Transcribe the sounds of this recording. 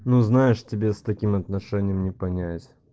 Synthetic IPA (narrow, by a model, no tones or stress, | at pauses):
nuznajɪʂtʲɪbʲest̪ɐkʲimɐt̪nɐʂɛnʲɪjəmnʲɪpɐnʲætʲ